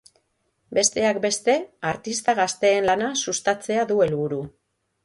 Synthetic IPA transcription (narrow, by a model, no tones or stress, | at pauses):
be̞st̪e̞akbe̞st̪e̞aɾt̪ist̪aɣast̪e̞ːnlanasust̪at͡se̞aðue̞lβuɾu